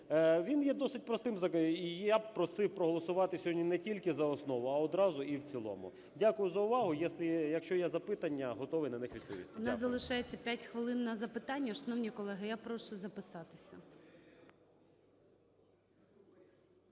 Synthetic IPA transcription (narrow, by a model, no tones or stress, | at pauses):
ʋʲinjɛd̪ɔsɪt̚ʲpɾɔst̪ɪmzɐijapɾɔsɪwpɾɔɦɔlˠɔsʊʋɑt̪ɪsʲɦɔdʲnʲinɛtʲilʲkɪzɐɔsnɔʋʊɐɔd̪ɾɑzʊiwt͡sʲilˠɔ̰mʊ̰ | dʲakʊjʊzɐʊʋɑɦʊjɛsʲlʲɪjɐkʃt͡ʃɔjɛzɐpɪt̪ɐnʲːɐɦɔt̪ɔʋɪjnɐnɪxʋʲid̪̚pɔʋʲḭst̪ɪnɐzzɐlˠɪʃɑjet͡sʲːɐpʲatʲxʋɪlˠɪnːɐzɐpɪt̪ɑnʲːɐʃɐnɔwnʲijkɔlˠɛɦɪjapɾɔʃʊzɐpɪsɑt̪ɪ̥sʲɐ